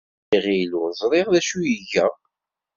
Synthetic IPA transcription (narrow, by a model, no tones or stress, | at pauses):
iʁiluzˤɾˤeʁðæʃujəʝæ